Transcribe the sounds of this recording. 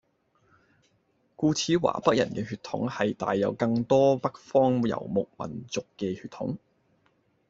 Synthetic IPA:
kuː˧t͡sʰiː˨˥wa̰ː˨˩pɐ˥k̚jɐ̰˨˩nkɛː˧ɦyː˧t̪ʰʊ̰˨˥ŋhɐ˨jt̪a̰ː˨jːɐ˨˧wkɐ˧ŋt̪ɔː˥pɐ˥k̚fɔː˥ŋjɐ̰˨˩wmʊ˨k̚mɐ̰˨˩nt͡sʊ˨kːɛː˧hyː˧t̪ʰʊ̰˨˥ŋ

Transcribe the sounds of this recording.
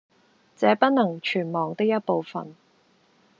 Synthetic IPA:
t͡sɛː˨˧pɐ˥t̚nɐ˨˩ŋt͡ʃʰyː˨˩nmɔː˨ŋt̪ɪ˥k̚jɐ˥t̚po˨˧wfɐ̰˨n

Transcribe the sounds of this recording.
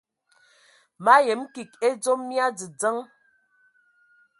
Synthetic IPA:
ma˦je˨˦m˦ki˨k̚e˦d͡zo˦mːja˦d͡zi˨d͡zə˦ŋ

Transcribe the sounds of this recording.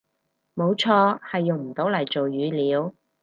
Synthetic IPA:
mo˨˧wt͡ʃʰɔː˧hɐ˨jːʊ˨ŋm̩˨˩t̪o˨˥wlɐ˨˩jt͡so˨wjyː˨˥liː˨˥w

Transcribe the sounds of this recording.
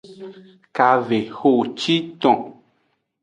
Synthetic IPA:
ka˧ve˨ho˦˨t͡ʃi˦t̪ɔ̃˨

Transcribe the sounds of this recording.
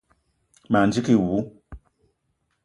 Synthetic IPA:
ma˨nd͡ʒi˦ki˦wu˨˦

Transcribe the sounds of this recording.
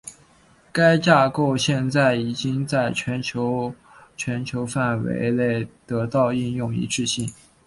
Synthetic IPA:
ka˥ɪt͡ɕja˥˧ko˥˧ʊɕjɛ˥˧nt͡sa˥˩ɪi˨˩t͡ɕi˥ŋt͡sa˥˩ɪt͡ɕʰɥɛ˧˥nt͡ɕʰjo˧˥ʊ | t͡ɕʰɥɛ˧˥nt͡ɕʰjo˧˥ʊfa˥˩nwḛ˧˥ɪle˥˩ɪt̪ɤ˧˥t̪ɑ˥˧ʊi˥˧njʊ˥˩ŋḭ˧˥ʈ͡ʂɻ̩˥˧ɕi˥˩ŋ

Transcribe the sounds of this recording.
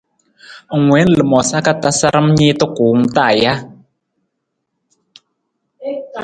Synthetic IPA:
ŋ̩˨ŋwɛ˨˦n˨lə˨mɔ˨sa˦ka˦ta˦sa˦ɾə˦mɲi˦t̪ɔ˦kuː˨˦ŋ˦ta˦˨ja˦

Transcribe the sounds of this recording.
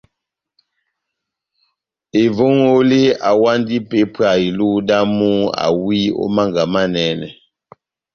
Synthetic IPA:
e˨vo˦ŋo˦le˦a˨wa˦ndi˦pe˨˦pa˨i˨lu˦da˦mu˦a̰˨wi˦o̰˦ma˦ŋɡa˨ma˦nɛ˨˦nɛ̰˨

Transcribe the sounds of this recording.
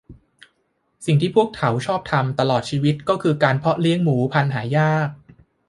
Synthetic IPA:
si˨˩ŋt̪ʰiː˥˩pʰu˥˩ək̚t̪ʰa˩˦wt͡ɕʰɔː˥˩p̚t̪ʰa˧mt̪a˧lɔː˨˩t̪̚t͡ɕʰiː˧wi˦˥t̪̚kɔː˥˩kʰɯː˧kaː˧npʰɔ˦˥li˦˥əŋmuː˩˦pʰa˧nɦaː˩˦jaː˥˩k̚

